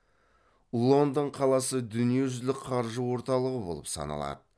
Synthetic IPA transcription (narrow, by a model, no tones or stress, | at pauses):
ulˠo̞nd̪əɴqʰɑlˠɑsəd̪ʏnije̞ʒʏzlɪkqʰɑɾʒəwo̞ɾt̪ɑlˠəʁəbo̞lˠə̰psɑ̰nɑ̰lˠɑ̰d̪ə